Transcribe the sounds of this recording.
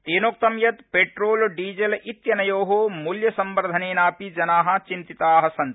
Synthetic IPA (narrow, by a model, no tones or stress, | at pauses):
t̪eːnoːk̚t̪ɐmjɐt̪peʈɾoːlɖiːd͡ʒelit̪jɐnɐjoːɦomuljɐsɐmbɐɾd̪ʱɐneːnaːpid͡ʒɐnaːɦɐ̆t͡ʃint̪it̪aːɦɐsɐnt̪